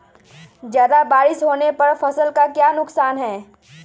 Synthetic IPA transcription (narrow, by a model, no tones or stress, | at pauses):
zjaːd̪abaːɾɪʃɦoːnepɐɾfɐsəlkakjaːnʊksaːnɦɛː